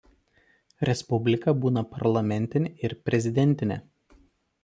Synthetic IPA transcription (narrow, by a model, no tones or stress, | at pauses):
ɾʲɛspʊbʲlʲɪkɐbuːnɐpɐɾlˠɐmʲɛnʲt̪ʲɪnʲeɪɾpʲɾʲɛzʲɪd̪ʲɛnʲt̪ʲɪnʲḛ